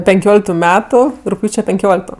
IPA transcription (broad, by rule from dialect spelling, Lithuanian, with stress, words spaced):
pʲɛŋʲˈkʲoːlʲɪktʊ ˈmʲæːtʊ rʊkˈpʲjuːt͡ʃʲɛ pʲɛŋʲˈkʲoːlʲɪktoː